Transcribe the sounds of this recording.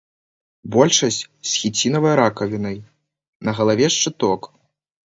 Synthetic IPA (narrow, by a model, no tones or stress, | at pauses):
bɔlʲʂɐsʲt͡sʲsʲxʲit͡sʲinɐvɐjɾakɐvʲinɐj | nɐɣɐlˠavʲɛʂt͡ʂɨt̪ɔk